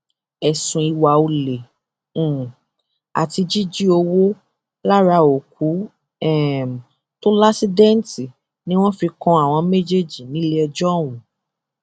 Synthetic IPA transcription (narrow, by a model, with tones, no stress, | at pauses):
ɛ˨sũ˨i˧wa˨o˧lẽ˨ | a̰˨ti˧d͡ʒi˦d͡ʒi˦o˧wo˦ | la˦ɾa˧o˨ku˨˦ | ɛ˦˨m˨ | to˦la˦si˦dɛ̃˦n˦ti˨ | nĩ˦w̃ɔ̃˦fi˧kɔ̃˧a˨w̃ɔ̃˧me˦d͡ʒe˦˨d͡ʒi˨nĩ˨˦le˦ɛ˧d͡ʒɔ˦˨wũ˨